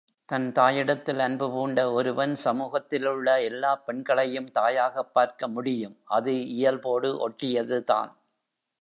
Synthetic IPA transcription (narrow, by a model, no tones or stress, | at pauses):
t̪ɐnt̪aːjɪɽɐt̪ːɪlɐnbɯpuːɳɖɐɔɾɯʋɐnsɐmuːɣɐt̪ːɪlɯɭːɐɛlːaːpɛɳɡɐɭɐjɯmt̪aːjaːɣɐpːaːɾkɐmʊɽɪjɯmʔɐðɯɪjɐlpoːɽɯʔɔʈːɪjɐðɯða̰ːn